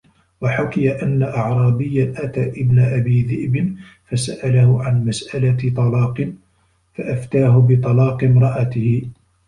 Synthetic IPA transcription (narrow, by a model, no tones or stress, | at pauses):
waħʊkɪjaʔanːaʔɑʕɾˤɑːbɪjːanʔat̪aːʔɪbnaʔabiːðɪʔbɪn | fasaʔalahʊʕanmasʔalat̪ˤɑlɑːqɨn | faʔaft̪aːɦʊbɪt̪ˤɑlɑːqɨmɾˤɑʔat̪ɪhɪ